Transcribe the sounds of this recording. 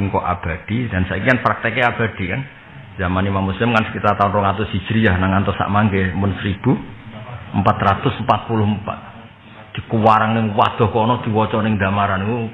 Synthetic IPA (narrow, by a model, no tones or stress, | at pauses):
ŋkɔʔa̰b̥ad̪̥id̥a̤nsaikiŋanpɾak̚t̪ɛkeab̥a̤d̪̥i̤kan | z̥amanimamːuslɪmkansə̥kit̪art̪aʊnrɔŋat̪ʊsi̥d͡ʒ̥ɾijahnaŋant̪ɔsa̰ʔmaŋɡemʊnsəɾib̥u | əmpat̪rat̪ʊsəmpat̪̚pulʊhmpa̰t̪̚ | d̪̥i̤kuwaɾaŋnɪŋwa̰d̪̥ɔ̤hkɔnɔd̪̥i̤wɔt͡ʃɔnɪŋd̪a̤maɾaniku